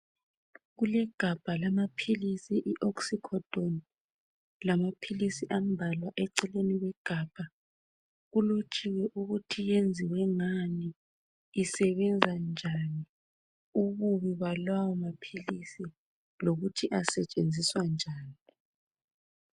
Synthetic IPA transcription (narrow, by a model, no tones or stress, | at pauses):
ɣulɛɡ̥ʱab̥ʱalamapʰilisiʔiʔoksikʰɔd̥ʱoni | lamapʰilisiʔam̩bʱalwaʔɛǀɛleniwɛɡ̥ʱab̥ʱa | ɣulot͡ʃʼiwɛʔuɣutʰijend͡zʱiwɛŋaniː | sɛβɛnd͡zʱand͡ʒʱani | uɣuβiβalwawɔmapʰilisi | loɣutʰiʔasɛt͡ʃʼend͡zʱiswand͡ʒʱaːni